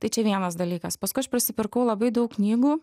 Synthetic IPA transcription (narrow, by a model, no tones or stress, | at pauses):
t̪ɐɪt͡ʃʲɛʋʲiɛnɐsd̪ɐlʲiːkɐspɐskʊɪɐʃpʲɾʲɪsʲɪpʲɪɾkɐʊlˠɐbɐɪd̪ɐʊkknʲiːɡuː